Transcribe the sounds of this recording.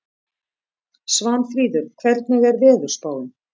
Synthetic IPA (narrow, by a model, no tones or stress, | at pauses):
svanfɾiːðʏɾ̥kʰvɛɾt̪nɪɣɛɾvɛːðʏɾ̥spaːwʏm